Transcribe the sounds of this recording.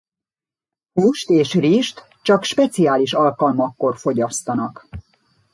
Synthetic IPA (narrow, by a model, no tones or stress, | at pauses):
puʃt̪eːʃriʃt̪ | t͡ʃɒkʃpɛt̪siaːliʃɒlkɒlmɒkːo̞rfo̞ɟɒst̪ɒnɒk